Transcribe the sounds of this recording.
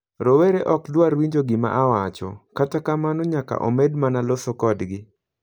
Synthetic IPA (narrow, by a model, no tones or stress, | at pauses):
ɾoweɾeʔɔkdwaɾwiɲd͡ʒoɡɪma̰ʔawat͡ʃɔ̰katakamanɔɲaka̰ʔo̰medmanalosokɔdɡɪ